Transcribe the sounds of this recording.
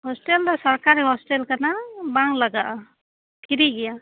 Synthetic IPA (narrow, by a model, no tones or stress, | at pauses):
hɔsʈeld̪ɔsaɾkaɾiɦɔsʈelkanabaŋlaɡaʔa | tʰiɾiɡija